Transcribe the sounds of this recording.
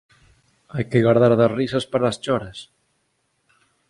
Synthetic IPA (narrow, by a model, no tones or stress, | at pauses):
ajkɪɣaɾðaɾðasrisɐspaɾaːst͡ʃɔɾɐs